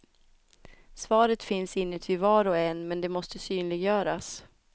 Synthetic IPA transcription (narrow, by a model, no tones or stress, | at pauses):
svɑːɾət̪fɪnsɪnːət̪ʰɪlvɑːɾɔɛnmɛnd̪ɛmɔst̪əsyːnlɪɡjœːɾas